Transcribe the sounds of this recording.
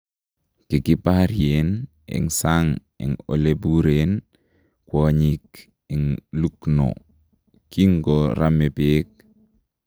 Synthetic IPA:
kikipahɾien | ḭŋsaŋ | ḭŋo̰lebuɾen | kwoɲik | iŋlukno̰ | kiŋɡoɾamepeːk̚

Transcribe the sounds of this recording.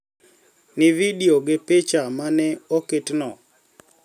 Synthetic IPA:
nɪvidioɡepet͡ʃamanɛoketnɔ

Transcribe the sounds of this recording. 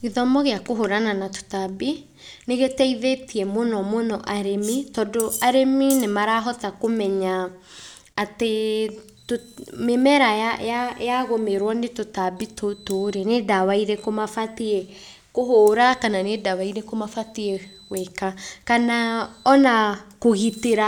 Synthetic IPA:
ɣeðɔmɔɣeakoɦoɾananato̥tabi | neɣetɛiðetiɛmonɔmonɔʔaɾemitɔdoaɾeminemaɾaɦɔtakomɛɲaː | te | tomemɛɾaajajaɣomeɾwɔnetotabitʰotoɾenedawaiɾɛkomafatiɛ | kohoːɾakananedawaiɾekomafatiɛ | wɛkakanaɔnakoɣiteɾa

